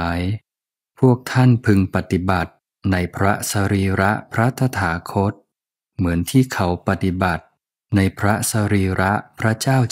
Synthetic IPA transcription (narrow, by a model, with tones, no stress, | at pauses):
j | pʰu˥˩ək̚t̪ʰa˥˩npʰɯ˧ŋpa˨˧˩t̪i˨˩ba˨˩t̪̚ | na˧jpʰɾa˦˥ʔsa˧ɾiː˧ɾa˦˥ʔpʰɾa˦˥t̪ʰa˧t̪ʰaː˩˦kʰo˦˥t̪̚ | mɯ˩˦ənt̪ʰiː˥˩kʰa˩˦˥wpa˨˧t̪i˨˩ba˨˩t̪̚ | na˧jpʰɾa˦˥sa˧ɾiː˧ɾʔa˦˥ʔpʰɾa˦˥t͡ɕaː˥˩w